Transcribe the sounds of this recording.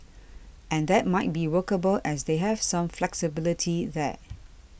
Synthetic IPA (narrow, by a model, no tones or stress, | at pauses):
ʔɛ̃nd̪ɛt̚maɪt̚biwəkəbəlʔɛsd̪eɦɛv̥sãmflɛksɪbɪlɪtʰiðɛ̰